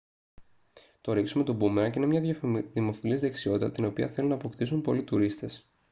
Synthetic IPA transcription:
t̪o̞ɾiksumet̪obumeɾɐceinemɲɐðimo̞filizðe̞ksio̞t̪it̪ɐt̪ino̞piɐθe̞lunɐːpo̞kt̪isumpo̞lit̪uɾist̪e̞s

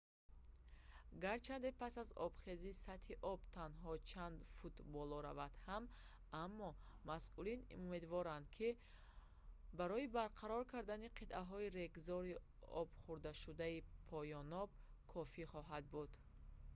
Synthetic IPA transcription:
ɡaɾt͡ʃʰand̪epʰasazɔ̰bχe̞zisat̪hiʔɔbt̪ʰanɦɔt͡ʃʰand̪fut̪bɔlɔɾa̰vat̪ham | amːɔ | masʔulinume̞d̪vɔɾand̪kʰi | baɾɔibaɾqʰaɾɔɾkʰaɾd̪aniqʰit̪ʔaɦɔiɾe̞ɡzɔɾi | ɔb̥χuɾd̪aʃud̪aipʰɔjɔnɔb̚kʰɔfiχɔɦad̪̚bud̪̥

